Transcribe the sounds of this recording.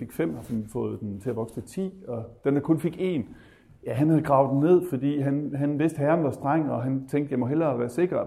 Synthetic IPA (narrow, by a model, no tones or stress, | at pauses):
fe̝ɡ̥fem̰hɑsnfɔ̽ːð̞̩ˠd̥ent͡sʰe̝æʋɒ̽ɡ̥sd̥ət͡sʰḭːɒ̽d̥end̥ækʰɔ̽nfe̝ɡ̥e̝̰ːn | jæɦænhæð̩ˠɡ̥ʁɑ̈ʊd̥ene̝ð̞̰ˠfɒd̥ḭːɦænɦænʋe̝sd̥hæɑnʋɑ̈sd̥ʁaŋ̰ɒ̽ɦænt͡sʰeŋ̰ɡd̥jɑmɒ̽ɦel̰ɐʋæːɐse̝ɡ̥ɐ